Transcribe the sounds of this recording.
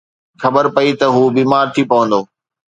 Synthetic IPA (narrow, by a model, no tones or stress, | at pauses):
xɐbəɾpɐit̪ɐɦuːbiːmaːɾt̪ʰipɐʋə̃nd̪oː